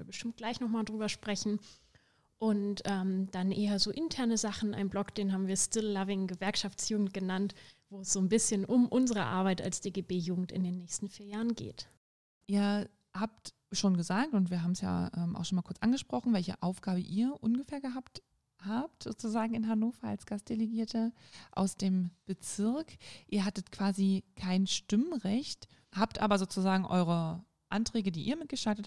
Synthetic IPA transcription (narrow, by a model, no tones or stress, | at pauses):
bəʃtɪmt̚ɡ̥laɪçnɔχmaːldʁyːbɐʃpʁ̥ɛçn̩ | ʔʊntʔɛːmd̥anʔeːɐzoːʔɪntʰɛɐnəzaχn̩a̰ɪnblɔkd̥eːnɦaːbm̩viːɐstɪlːavɪŋɡəvɛɐkʃaft͡sjuːɡŋ̩t̚ɡ̥ənantv̥oːɛsz̥oːnbɪsçənʔʊmʔʊnzəʁə̰ʔa̰ɐβaɪta̰lsd̥eːɡeːbeːjuːɡŋ̩tɪ̰ndeːnːɛːçstn̩fiːɐjaːʁənɡḛːt | ʔiːɐ | haːp̚t | ʃoːnɡəzaːk̚tʊntv̥iːɐɦaːbm̩sja̰ːʔɛːmʔaʊxʃoːnmaːlkʊɐt͡sʔanɡəʃpʁ̥ɔχn̩vɛlçə̰ʔaʊfɡ̥aːbəʔiːɐʔʊnɡəfɛːɐɡəɦaːp̚t | haːp̚tz̥o̰ːt͡suzaːɡŋ̩ɪnɦanoːfɐa̰lsɡ̥ast̚d̥eleɡiːɐtəʔa̰ʊsd̥eːmb̥ət͡sɪɐkʔiːɐɦatətkv̥aːzikʰaɪnʃtɪməʁɛçt | haːptʔa̰ːbɐzoːt͡suzaːɡŋ̩ʔɔʏʁ̞ə | ʔantʁ̥ɛːɡədiːʔiːɐmɪt̚ɡ̥əʃaltət